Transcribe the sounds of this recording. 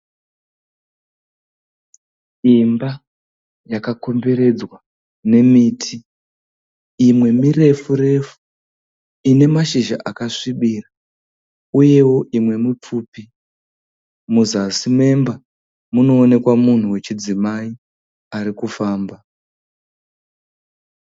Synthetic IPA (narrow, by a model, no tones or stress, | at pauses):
imba | jakako̞mbe̞ɾe̞d͡zwa | ne̞miːtʰi | imwe̞mire̞fure̞fu̥ | ine̞maʃiʒa̰ʔakaʂiɓiːra | uje̞wo̞ʔimwe̞mip͡fupi | muzasime̞mba | muno̞ːne̞kwamun̤uwe̞t͡ʃid͡zimai | aɾikufaːmba